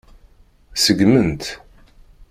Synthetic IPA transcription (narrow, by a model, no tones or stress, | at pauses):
səɡmənt̪